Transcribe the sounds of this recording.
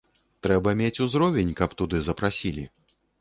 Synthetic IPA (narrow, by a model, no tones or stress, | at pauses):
t̪ɾɛbɐmʲet͡sʲuzɾɔvʲenʲkɐpt̪ud̪ɨzɐpɾasʲilʲi